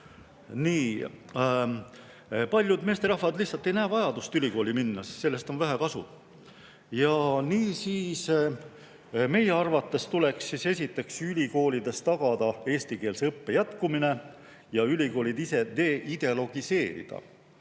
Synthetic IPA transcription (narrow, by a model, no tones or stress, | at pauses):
niː | pɑlʲjud̪mest̪eɾɑhfɑd̪liçhsɑlt̪ːˑe̞jnæːvɑjɑd̪ust̪ylʲiko̞ːlʲiminːɑsi̥st̪se̞lːe̞st̪o̞nvæɦækɑsṵ̥ | jɑniːsiːs | me̞jeɑrvɑt̪ːe̞st̪ule̞ksːise̞sʲit̪ːˑe̞ksylʲiko̞ːlʲid̪e̞st̪ɑɡ̥ɑd̪̥ɑe̞ːsʲt̪ike̞ːlseɤpːe̞jæt̪kumine̞ | jɑylʲiko̞ːlʲid̪ise̞d̪e̞ʔid̪e̞lo̞ɡ̥ise̞ːɾḭd̪̥ɑ̰